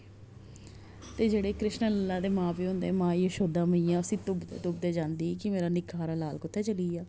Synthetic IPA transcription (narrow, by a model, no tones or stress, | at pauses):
t̪eːd͡ʒeːɽeːkɾɪʃnələlːãːd̪eːmãːpiːɦʊ̃nd̪eːmãːiːəʃoːd̪ãːməĩːjãːəsĩːt̪ʊbd̪ḛːt̪ʊbd̪eːd͡ʒãːnd̪iːkɪmeːɾaːnɪkʰːaːɾaːlaːlkʊt̪ʰːɛːt͡ʃəliːaː